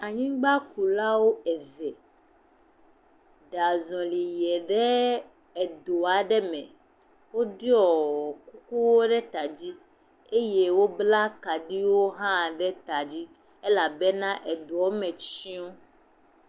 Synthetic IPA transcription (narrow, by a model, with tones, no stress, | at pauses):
a˨ɲĩ˦ɡ͡ba˦ku˨la˦wo˦ɛ˨vɛ˨ | ɖa˨zɔ̃˨li˨jɛ˨ɖɛ˦ | ɛ˨d̪o˨a˨ɖɛ˦mɛ̰̃˨ | wo˦ɖi˦ɔ˨ku˦ku˦wo˦ɖɛ˦t̪a˨d͡ʑi˦ | e˦je˦wo˦bla˦ka˨ɖi˦wo˦ɦã˦˨ɖɛ˦t̪a˨d͡ʑi˦ | e˦la˨bɛ˦nã˦ʔɛ˨d̪o˨ɔ˦mɛ̃˨t͡ʃĩ˦o˦